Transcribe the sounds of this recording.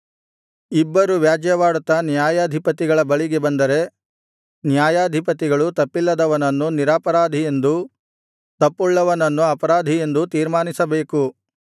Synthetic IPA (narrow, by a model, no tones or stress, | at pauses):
ibːɐɾuʋjaːd͡ʒɐjɐʋaːɽut̪ːɐnjaːjaːd̪ʱipɐt̪iɡɐɭɐbɐɭiɡe̞bɐnd̪ɐɾe̞ | njaːjaːd̪ʱipɐt̪iɡɐɭut̪ɐpːilːɐd̪ɐʋɐnɐnːuniɾaːpɐɾaːd̪ʱije̞nd̪u | t̪ɐpːuɭːɐʋɐnɐnːuɐpɐɾaːd̪ʱije̞nd̪ut̪iːɾmaːnisɐbe̞ːku